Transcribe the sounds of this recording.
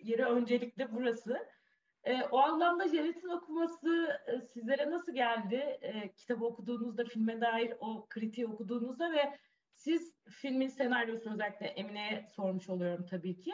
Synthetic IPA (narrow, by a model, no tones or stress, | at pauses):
jeɾɛø̞nd͡ʒe̞lʲiclʲɛbuɾasɯ | ɛːʔoanlˠamd̪ad͡ʒenet̪ʰino̞kʰumasɯsizlʲe̞ɾɛnasɯlˠɟælʲd̪ɪːcʰi̥t̪ʰabɯokʰud̪uːnuzd̪afilʲmɛd̪aːjiɾo̞kʰɯɾit̪ʰiokud̪uːnuzd̪avɛ | siz̥filʲminse̞naɾijo̞sunøzɛlʲːiclʲɛʔeminejɛso̞ɾmuʃo̞lˠujo̞ɾumt̪ʰabiːcʰɪ